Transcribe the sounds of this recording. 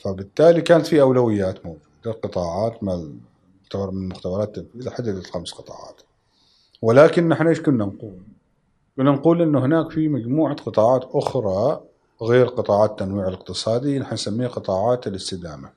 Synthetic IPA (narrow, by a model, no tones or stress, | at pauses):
fabɪt̪ːaːlikaːnat̪fiʔawlawɪjːaːt̪mowd͡ʒuːd̪aqɨt̪ˤɑːʕɑːt̪ma | ʊxt̪abɾˤmɪnlmʊxt̪abɑɾˤɑːt̪ːanfiːzaħad̪ːad̪alxamsqɨt̪ˤɑ̰ːʕɑ̰ːt̪ | wɪlaːkɪnːaħnaʔeːʃkʊnːanquːl | kʊnːanquːlʔɪnːʊhɪnaːkfimad͡ʒmuːʕaqɨt̪ˤɑːʕɑːt̪ʔʊxɾˤɑ | ɣeːɾqɨt̪ˤɑːʕɑːt̪ːanwiːʕalɪq̚t̪ɨsˤɑːd̪inaħnansamːiːhaqɨt̪ˤɑːʕɑːt̪ɪlɪst̪ɪd̪aːma